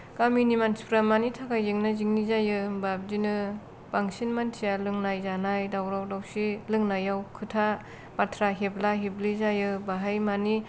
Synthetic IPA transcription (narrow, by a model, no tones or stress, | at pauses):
kaminimanspɾamanitʰakajzeŋnɯziŋnizajɯbab̚dinɯ | b̥aŋsinmantʰijalɯŋnajzanajdawɾawdawsilɯŋnajawkʰɯtʰa | patʰɾaɦeblaɦeblizajɯbaɦajmani